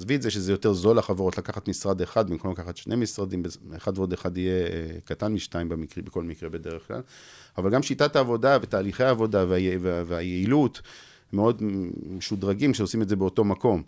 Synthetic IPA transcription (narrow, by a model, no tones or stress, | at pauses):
zvietzeʃezejo̞te̞ʁzo̞laχaveʁo̞tlakaχat̪misʁad̪eχad̪̚bimkomlakaχat̪ʃne̞misʁad̪imbeeχad̪veo̞d̪eχad̪ijekatanmiʃtaimbemikʁbeko̞lmikʁe̞be̞deʁeχkla̰l | avalɡamʃitat̪aːvo̞davetaːliχeaːvo̞daveajeveveajeilut | meo̞d̪eʃud̪ʁaɡimʃeo̞simetze̞beoto̞mako̞m